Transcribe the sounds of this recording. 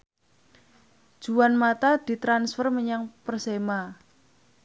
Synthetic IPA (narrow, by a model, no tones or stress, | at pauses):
d̥ʒ̥uwanmat̪ad̪̥i̤t̪ɾansfərməɲaŋpərsema